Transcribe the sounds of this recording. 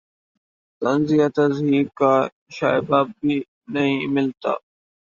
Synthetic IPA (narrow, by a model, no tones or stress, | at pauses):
t̪ɐnzijat̪ɐzɦiːkaː | ʃaːɪbaːbːi | nɐɦĩmɪlt̪a̰ː